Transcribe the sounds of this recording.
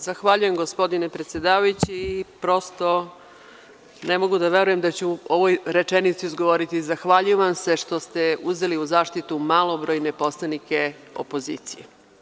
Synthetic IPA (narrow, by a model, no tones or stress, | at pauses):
zaxʋaʎuje̞mɡospo̞d̪ine̞pɾet̪sʲje̞d̪aːʋajut͡ɕiːpɾo̞st̪o̞ | ne̞mo̞ɡud̪aʋe̞ɾuje̞md̪at͡ɕuoʋojɾe̞t͡ʂenit̪siizɡoʋoɾit̪izaxʋaʎujuʋamse̞ʃt̪o̞st̪e̞uze̞liuzaːʃt̪it̪umalˠobɾo̞ːjne̞po̞slˠanike̞ | o̰po̞zḭːt̪sije